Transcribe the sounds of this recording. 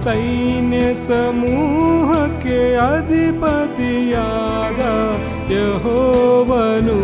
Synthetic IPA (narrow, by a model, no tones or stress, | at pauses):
sɐjnjɐsɐmuːɦɐkːeɐd̪ʱipɐt̪ijaːd̪ɐ | jeɦoːʋɐnu